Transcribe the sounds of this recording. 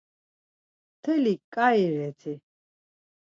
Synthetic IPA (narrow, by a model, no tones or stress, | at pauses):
t̪ʰɛlikʼaiɾɛt̪ʰi